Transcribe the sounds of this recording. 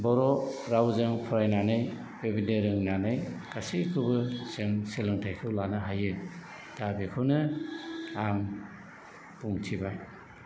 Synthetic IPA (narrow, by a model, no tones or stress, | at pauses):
bɔɾɔɾawzɯŋpʰɔɾajnanɯj | bebineɾɯŋnanɯjkasikʰɯbɯsɯŋselɯŋtʰajkʰɯwlanɯɦajɯ | d̥abikʰɯwnɯ | aŋ | puŋtʰibaj